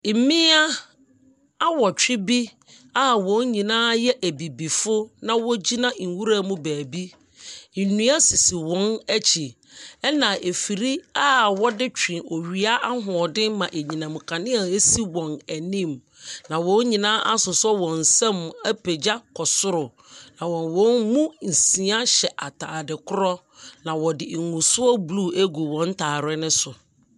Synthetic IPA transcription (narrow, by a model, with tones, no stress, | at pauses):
mĩ˦a˦ | a˦wɔ˨t͡ɕᶣɪ˦bi˦ | a˦wɔ̃˨˦ɲĩ˨nãː˦jɛ˦ʔæ˨bi˨bi˨fʊ˦nã˦wɔ˦d͡ʑi˦nã˦˨ŋ̩˨wu˦ɾa˦˨mʊ̃˦bæː˨bi˦ | n̩˨nũ˦a˦si˨si˨wɔ̃˦næ˦t͡ɕʰi˨ | ɛ˦nã˨ʔe˨fi˨ɾi˦a˦wɔ˦dɪ˦t͡ɕᶣĩ˨o˨ɥi˨a˦ʔa˦ɦʊ̃˨ɔ˨dɪ˦mã˨ʔe˨ɲĩ˨nã˨mʊ̃˨kʰã˨nɪ̃˦a˨e˦si˦wɔ̃˨næ˨nĩ˦˨m | nã˨wɔ̃˦ɲĩ˨nã˦ʔa˦sʊ˨sʊ˦ɛ˦wɔ̃˨n̩˨sɛ̃˦mæ˦pʰe˨d͡ʑa˦kʰɔ˨sʊ˦ɾʊ˨ | nã˨wɔ̃˨nwɔ̃˨˦nmũ˦n̩˨sĩ˨˦ã˦ɕɛ˨ʔa˨tʰaː˨dɪ˨kʰʊ˦ɾɔ˦ | nã˨wɔ˨dɪ˨ŋũ˨sʊ˦ɔ˦blu˦˨æ˦ɡu˨wɔ̃˨˦n̩˦tʰaː˨ɾɛ˦nɪ̃˦sʊ˨